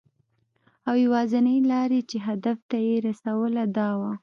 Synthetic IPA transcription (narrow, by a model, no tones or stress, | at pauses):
awjawɑzanəjlɑɾet͡ʃeɦad̪aft̪ajeɾasawəlad̪ɑwa